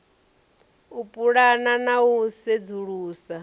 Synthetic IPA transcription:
upʼuɺananaused͡zuɺuːsa

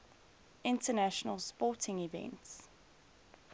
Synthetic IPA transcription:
ʔɪ̃ntənaʃənəlˠspɔˑtʰɪ̃ŋɪvɛ̰̃nts

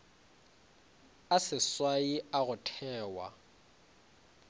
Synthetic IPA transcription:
asɪswaiaɣʊtʰɛːwa̰

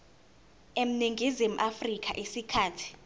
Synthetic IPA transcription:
em̩niŋɡʱizim̩ʔafrik̬ʰʼa̰ʔisikʰaːtʰi̥

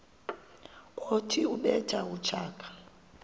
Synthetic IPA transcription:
kʼotʰiuɓɛtʰʼaut͡ʃʰaːkʰḁ

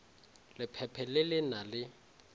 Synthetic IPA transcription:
lɪpʰɛpʰɛlɪlɪnalɪ

